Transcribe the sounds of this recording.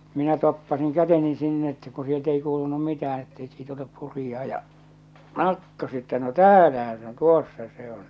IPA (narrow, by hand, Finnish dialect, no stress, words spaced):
minæ topːɑsiŋ kæteni sinː etːæ ku sielt ei kuːlunum mitææn etːeik siːt olep purijɑː jɑ kɑˑtːo se etːæ no tæːlæhæ se on̆ tuosːɑ se on